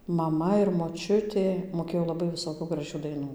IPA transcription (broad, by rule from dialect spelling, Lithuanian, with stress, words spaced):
mɐˈmɐ ɪr moːˈt͡ʃʲʊtʲeː moːˈkʲeːjoː lˠɐˈbɐɪ ʋʲɪˈsoːkʲuː ɡrɐˈʒʲuː dɐɪˈnuː